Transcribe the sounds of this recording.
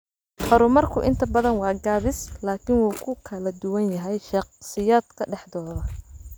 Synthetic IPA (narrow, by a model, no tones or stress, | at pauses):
ħɔɾʊmɐrkʰʊʔɪ̰nt̪ʰɐbɐðɐnwɑːɡaːβɪslaːkʰɪnwuːkʰʊkʰɐlɐd̪ʊwɐnjɐɦɛjʃɑqsɪjaːd̪kʰɐɖɛħd̪ɔːðɐ